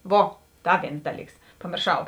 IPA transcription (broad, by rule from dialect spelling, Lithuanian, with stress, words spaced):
ˈʋoː ˈdɐ ˈʋʲeːns ˈdɑːˌlʲiːks pɐmʲeːrˈʃɐʊ